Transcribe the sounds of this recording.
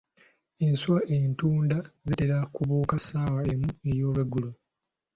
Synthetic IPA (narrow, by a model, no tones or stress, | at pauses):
enswaʔentuːndazite̞ɾakuβuːkasaːwaemue̞jo̞ːlwe̞ɡulo